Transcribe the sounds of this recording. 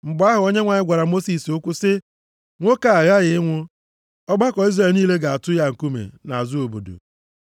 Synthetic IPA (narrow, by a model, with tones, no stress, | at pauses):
ŋ͡m̩˨ɡ͡bʊ˨˦a˦ɦʊ˨o˦ɲe˦ŋʷa˨ɲɪ˦ɡʷa˨ɾa˨mo˦si˨sʊ˦kʷʊ˦sɪ˦ | ŋʷo˦ka˨a˨ɣa˦ɣɪ˨ɪ˦ŋʷʊ˦ | ɔ˦ɡ͡ba˦kɔ˨i˦zre˨lniː˦le˦ɡa˨a˨tʊ˦ja˦ŋ̩˨ku˦mḛ˨na˨a˨zʊ˦o˨bo̰˨do̰˨